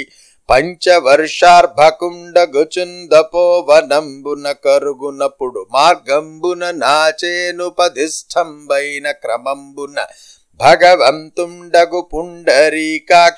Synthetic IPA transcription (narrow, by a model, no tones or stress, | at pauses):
pɐɲt͡ʃɐʋɐɾʂaːɾbʱɐkuɳɖɐɡɐt͡ʃund̪ɐpoːʋɐnɐmbunɐkɐɾuɡunɐpuɽumaːɾɡɐmbunɐnaːt͡ʃeːnupɐd̪isʈʰɐmbɐjnɐkɾɐmɐmbunɐ̰ | bʱɐɡɐʋɐmt̪uɳɖɐɡupuɳɖɐɾiːkaː